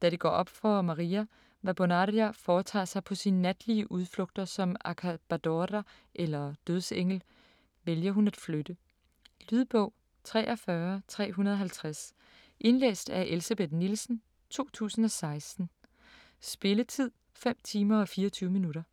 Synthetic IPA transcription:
d̥æɾ̥eɡ̥ɒ̰ːʔɒ̽b̥fɒmɑ̈ʁiːæ | ʋæb̥onɑɾiæfɒːt͡sʰɑ̰̈ːsɑ̈ɪpʰɒ̽sinːæd̥liəʔuð̞ˠflɔ̽ɡ̥̚d̥ɐsɒ̽mækʰæb̥æd̥ɒɾæ | ʔelɐd̥øð̞ˠseŋ̰l̩ | ʋeljɐɦunæd̥flød̥ə | lyð̞ˠb̥ɔʊ̰ | t͡sʰʁɛ̰ːʔɒ̽fɶɐt͡sʰʁɛ̰ːɦunɐð̞ˠɒɦælt͡sʰʁas | ʔe̝nlḛːsd̥æʔelsæb̥e̝d̥nilsn̩ | t͡sʰo̝̰ːt͡sʰṵːsn̩ɒ̽sɑ̈ɪsd̥n̩ | sb̥e̝lət͡sʰið̰ˠ | fem̰t͡sʰiːmɐɒ̽fiːɐɒt͡sʰyːʊəminuɾɐ

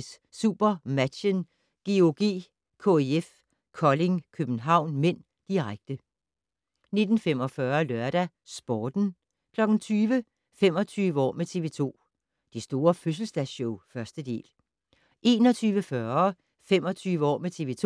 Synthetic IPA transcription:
s | sṵb̥ɐmæ̥ɕən | ɡ̥eoɡ̥ḭː | kʰo̝eef | kʰɒ̽le̝ŋkʰøb̥n̩ɦɑ̈ʊ̰nmen̰ | d̥iʁaɡ̥̚d̥ə | ne̝d̥n̩fem̰ɒ̽fɶɐlœɐɾ̥æ | sb̥ɒːd̥n̩ | kʰlɒ̽ɡ̥n̩t͡sʰyːʋə | fem̰ɒ̽t͡sʰyːʋəɒ̰ːmet͡sʰe̝ːʋe̝t͡sʰo̝̰ː | d̥isd̥o̝ːɐføs̬l̩sd̥æɕɔʊfɶɐsd̥əd̥e̝̰ːl | ʔe̝ːnɒ̽t͡sʰyːʋəfɶːɐ | fem̰ɒ̽t͡sʰyːʋəɒ̰ːmet͡sʰe̝ʋe̝ːt͡sʰo

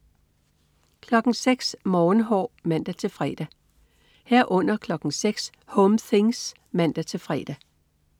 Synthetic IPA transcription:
kʰlɒ̽ɡ̥n̩seɡ̥smɒːnɦɒ̰ːmæn̰d̥æt͡sʰe̝lfʁɛd̥æ | heɐ̰ʔɔ̽n̰ɐkʰlɒ̽ɡ̥n̩seɡ̥s | hɔmθe̝ŋs | mæn̰d̥æt͡sʰe̝lfʁɛ̰ːd̥æ

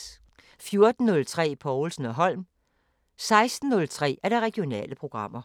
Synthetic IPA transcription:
fjo̝ɐd̥n̩ːɔ̽lt͡sʰʁɛ̰ːpʰɒʊl̩sn̩ɒ̽ɦɒ̽l̰m | sɑ̈ɪsd̥n̩ːɔ̽lt͡sʰʁɛ̰ːæɐɾ̥ɑ̈ʁɛɡ̥jo̝nɛ̰ːləpʰʁo̝ɡ̥ʁɑ̈m̰ɐ

